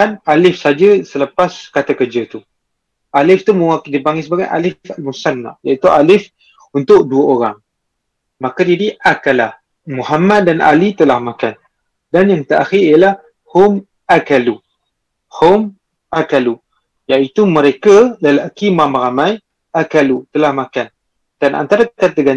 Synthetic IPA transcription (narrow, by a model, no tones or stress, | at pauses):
analɪfsad͡ʒəsələpaskat̪akərd͡ʒat̪u | ʔalɪft̪uməwakdibaŋisəbaɡajʔa̰lɪfalmusanːa̰ʔjait̪uʔalɪf | unt̪ʊk̚duəoɾaŋ | makad͡ʒadiʔakala̰h | muhamat̪̚danʔa̰lit̪əlahmakan | danjaŋt̪əʔa̰xɪrijalah | hom | akalu | hom | ʔakalu | jaʔit̪uməɾekaləlakimamaɾamaj | ʔakalut̪əlahmakan | d̥anʔa̰nt̪aɾakat̪əɡan